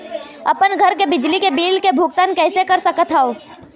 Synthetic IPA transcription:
ɐ̰pənɡʱɐɾkebɪd͡ʒlikebiːlkebʱukt̪ənkɛːsekɐɾsəkət̪ʰaːo

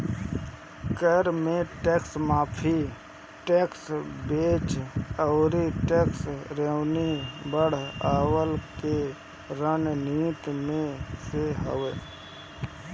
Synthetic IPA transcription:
kəɾmẽʈeːksmaːpʰi | ʈeːksbeːt͡ʃəʊɾiʈeːksɾeːwnibəɽ̤aːwəlke | ɾənniːt̪mẽseɦəwe

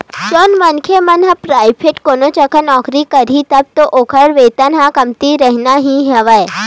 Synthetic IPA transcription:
t͡ʃonʋənkʰemɐnɦãpɾaːipʰeʈkonot͡ʃɐkʰənɔːkɾikəɾit̪ɐb̚t̪oʔokʰəɽʋeːt̪ənɦãkɐmt̪iɾəɦnaɦĩɦeʋaj

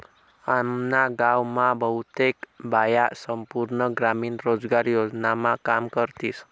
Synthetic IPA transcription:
amnaɡawmãbəɦut̪ekbajasəmpuɾɳəɡɾaminɾod͡ʒɡaɾjod͡ʒnamãkamkəɾt̪is

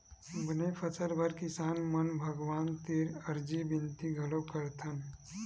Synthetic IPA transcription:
bənepʰəsəɾbʱəɾkɪsaːnmənbʱəɡʋaːnt̪iɾəɾd͡ʒibɪnt̪iɡʱɐlokəɾt̪ʰən

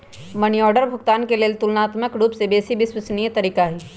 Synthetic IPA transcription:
mɐniɔːɖəɾbʱʊɡt̪aːnkeleːlt̪ʊlnaːt̪məkɾuːpsebeːsibʱiswəsniet̪ɐɾiːkaɦɛː

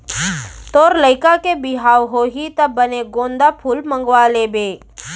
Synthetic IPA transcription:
t̪oːɾləɪkakebɪɦaːwɦoɦit̪ɐbːəneɡõːnd̪apʰuːlmə̃ŋɡwalebeː

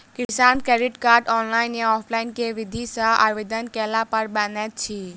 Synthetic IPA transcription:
kɪsaːnkɾɛɾiʈkaːɾɖɔːnlaːɪnjaɔːpʰlaɪnkeʋid̪ʱisãʔa̰ʋed̪ənkelapɐɾbənɛt̪̚t͡ʃʰi

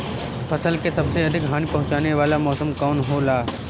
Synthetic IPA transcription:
pɐsəlkesɐbseɐd̪ʱɪkɦaːñipɐɦʊ̃t͡ʃaːneʋaːlamɔːsəmkɔːnɦolaː

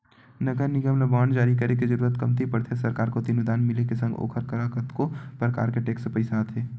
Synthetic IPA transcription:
nɐɡəɾnɪɡəmlɐbaːnd͡ʒaːɾikɐɾekid͡ʒɐɾuːɾət̪kɐmt̪ʰipɐɽt̪ʰesɐɾkaːɾkot̪inud̪aːnmɪlekesɐ̃ŋɡo̰ːkʰəɾkəɾakət̪kopɾəka̰ːɾkeʈeːksepɐɪsaːt̪ʰɦeː

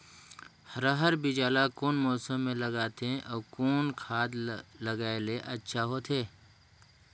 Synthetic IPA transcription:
hɾəɦəɾbid͡ʒaːlakoːnmɔːsəmːẽlɐɡaːt̪ʰẽʔɔːkoːnkʰaːd̪lɐɡaːeleʔɐtːʃʰaɦoːt̪ʰeː

